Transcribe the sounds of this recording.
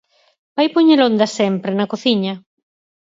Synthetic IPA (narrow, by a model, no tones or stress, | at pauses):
bajpoɲelond̪ɐsɛmpɾenɐkoθiɲɐ